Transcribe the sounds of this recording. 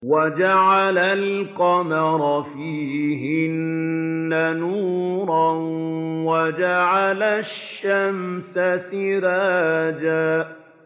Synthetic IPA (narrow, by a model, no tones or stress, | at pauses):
wad͡ʒaʕalalqɑmɑɾˤɑfiːɦɪnː | anuːɾˤɑnwad͡ʒaʕalaʃːamsasɪɾaːd͡ʒaː